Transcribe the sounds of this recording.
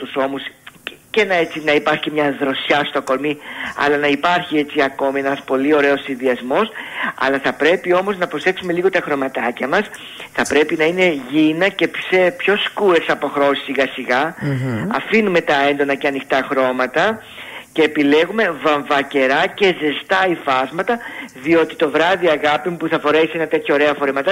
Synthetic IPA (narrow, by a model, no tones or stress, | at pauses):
t̪uso̞musce̞nɐet͡sinɐipɐɾçi̥cemɲɐðɾo̞sçɐst̪o̞ko̞lmiɐ̰lɐnɐipɐɾçie̞t͡siɐko̞mienɐspo̞lio̞ɾe̞o̞sːinðiɐzmo̞sɐ̰lɐθɐpɾe̞pio̞mo̞znɐpɾo̞se̞ksume̞liɣo̞t̪ɐxɾo̞mɐt̪ɐcɐmɐs | θɐpɾe̞pinɐine̞ʝinɐce̞psepço̞skueɾsɐpo̞xɾo̞si̥siɣɐsiɣɐ | ɐ̰finume̞t̪ɐe̞nd̪o̞nɐceɐnixt̪ɐxɾo̞mɐt̪ɐ | ce̞ːpile̞ɣume̞vɐɱvɐce̞ɾɐce̞ze̞st̪ɐifɐzmɐt̪ɐðio̞t̪i̥t̪o̞vɾɐðiɐɣɐpimupuθɐfo̞ɾe̞sie̞nɐt̪e̞t̪ʰço̞ːɾe̞ɐfo̞ɾemɐt̪ɐ